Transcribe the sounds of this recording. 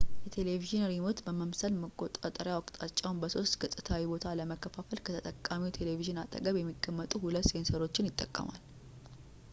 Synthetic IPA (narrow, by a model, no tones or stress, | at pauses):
jɛt̪ʰe̞le̞viʒɪnəɾimot̪bəməmsəlməkʼːot̪ʼat̪ʼəɾjawɔkʼt̪ʼat͡ʃʼːawunbəso̞st̪ɡɨt̪ʼːɨt̪ʰawibo̞t̪ʰaləməkːəfafəlkʰət̪ʰət̪ʼəkʼːamiwt̪ʰe̞le̞viʒɪnat̪ʼə̰ɡəβjɛmːiɡʼəmːət̪ʼuhulət̪ːjensəɾo̞t͡ʃːɪnjɪt̪ʼːəkʼːə̰ma̰l